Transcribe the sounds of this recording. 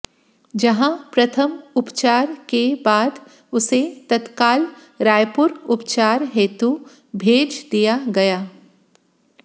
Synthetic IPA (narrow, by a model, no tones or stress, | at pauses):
d͡ʒɐɦãpɾɐt̪ʰəmʊpt͡ʃaːɾkebaːd̪ | ʊset̪ɐt̪kaːl | ɾaːjpʊɾʊpt͡ʃaːɾɦeːt̪u | bʱeːd͡ʒd̪ijaɡɐjaː